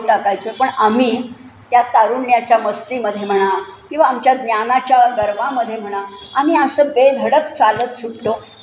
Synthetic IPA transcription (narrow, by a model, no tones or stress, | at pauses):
ʈakajt͡səpəɳamiː | t̪jat̪aɾuɳːjat͡ɕjaməst̪iməd̪ʱːjem̤əɽ̃akĩw̃ʋaːmt͡ɕjaɡnjanat͡ɕjaɡəɾʋãməd̪ʱːjem̤əɽ̃aamiːəsəːbed̪ʱəɽəkt͡salət̪sukʈ̪o